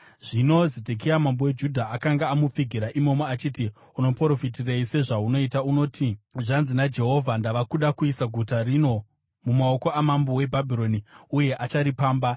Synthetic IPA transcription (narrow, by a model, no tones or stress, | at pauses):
ʐ̥ino̞zedʱek̬iamambowed͡ʒudʱaʔakaŋɡaːmup͡fiɡʱiɾaʔimo̞moat͡ʃiːti | uno̞poɾofitireise̞ʐauno̞itauno̞ːtʰiʐanzinad͡ʒe̞ɦo̞vʱandaʋakuɗakuisaɡʱutarino̞ | mumao̞ko̞ʔamambowe̞bʱabʱiɾo̞niuje̞ʔat͡ʃaɾipaːmba